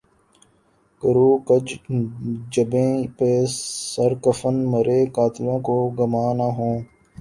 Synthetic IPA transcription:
kəɾuːkəd͡ʒ | d͡ʒəbẽːpeːsəɾkəfənməɾeːkaːt̪ɪlõːkoːɡəmaːnaːɦõː

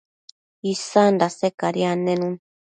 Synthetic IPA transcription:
isandasekaɾianẽnũn

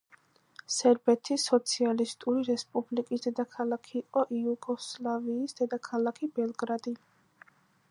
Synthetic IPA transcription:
sɛɾbɛt̪ʰisɔt̪sʰialist̪ʼuɾiɾɛspʼublikʼisd̪ɛd̪akʰalˠakʰiːqʼɔʔiuɡɔslˠaviːsd̪̥ɛd̪akʰalˠakʰibɛlˠɡɾad̪i

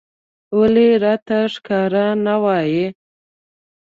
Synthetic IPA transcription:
oleɾɑt̪aʂkɑɾanawɑje

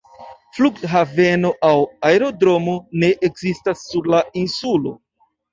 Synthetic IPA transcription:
fluɡɦave̞no̞ʔawaeɾo̞dɾo̞mone̞ʔekzistasːuɾlainsulo̞̰

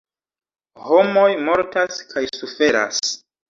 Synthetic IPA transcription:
ho̞mo̞jmo̞ɾtaskʰajsufe̞ɾa̰s

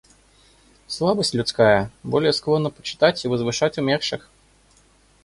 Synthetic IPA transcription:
slˠabəsʲtʲlʲʊt̪skajəbo̞lʲɪjəsklˠo̞nːəpə̥t͡ɕɪ̥t̪atʲivəzvɨʂatʲʊmʲerʂɨx

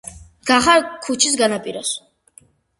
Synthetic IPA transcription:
ɡ̥aχaɾkʰut͡ʃʰis̬ɡanapʼiɾɔs

